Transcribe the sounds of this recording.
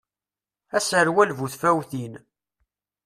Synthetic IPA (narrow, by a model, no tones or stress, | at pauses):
æsəɾwælvuθfæwθin